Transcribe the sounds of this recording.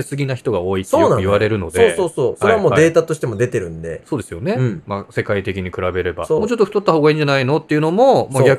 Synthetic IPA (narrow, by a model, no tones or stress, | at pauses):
sɨɡʲinaçi̥t̪o̞ɡao̞ːit̪eoːnãjiβaɾe̞ɾɯ̟no̞d̪eoːoːsoːsoaɾe̞aamoːd̪e̞ːt̪at̪oɕi̥t̪e̞mo̞d̪et̪e̞ɾɯ̟̃nd̪e̞̰so̞ːd̪e̞sɨjo̞ne̞mase̞kait̪e̞kʲiɲ̟ikɯ̟ɾabe̞ɾe̞ba̰somoːt͡ɕo̞t̪ːoɸɯ̟̥t̪ot̪ːahoːɡaĩːɲ̟d͡ʑanaino̞t̪ːe̞iɯ̟no̞mo̞moɡʲa